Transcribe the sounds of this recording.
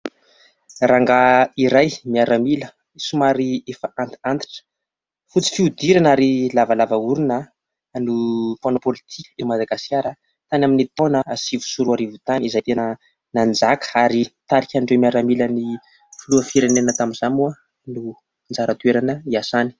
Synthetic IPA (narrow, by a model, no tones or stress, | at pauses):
raŋɡaiɾajmiaɾamilə | isumaɾiefaʔant̪i̥ant̪i̥ʈ͡ʂə̥ | fut͡si̥fiud̪iɾanaɾilavalavauɾunə | nuponopolit̪ʰikʲə̥imad̪aɡaskʲaɾə | t̪anaminit̪onəasivu̥suɾuaɾivut̪anizajt̪enə | nand͡zakaɾit̪aɾikʲaɳɖ͡ʐewmiaɾamiləni | fuluəfiɾenenət̪aminzamua | nu | nd͡zaɾat̪ueɾanəiasani̥